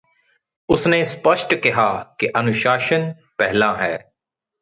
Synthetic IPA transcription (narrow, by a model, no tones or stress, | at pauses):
ʊsneːspəʃʈkɪɦaːkeʔɐnʊʃaːʃən | pɛɦlãːɦɛː